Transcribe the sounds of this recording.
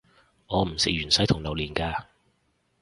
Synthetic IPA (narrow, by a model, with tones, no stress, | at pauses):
ŋɔː˨˧m̩˨˩sɪ˨k̚jyː˨˩nsɐ˨˥jt̪ʰʊ˨˩ŋlɐ˨˩wliː˨˩nkaː˧